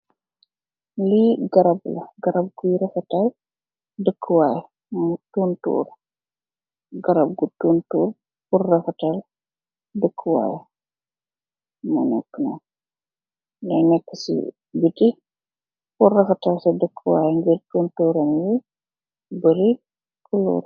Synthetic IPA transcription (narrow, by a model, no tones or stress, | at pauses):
liɡɐɾɐblɐɡɐɾɐb̚ɡujɾɐfɐtɐl | dəkʰːəwaːj | mtuːntṵːɾ | ɡɐɾɐb̚ɡutuːntṵːr | purːɐfɐtɐl | dəkʰːəwa̰ːj | mṵnɛ̰kːənɐ̰ | lɐjnɛkːəsḭ | biti | purrɐfɐtɐlsɐdəkʰːəwaːjŋɡirtuːntuːɾɐnji | bəɾi | kʰəlṵːr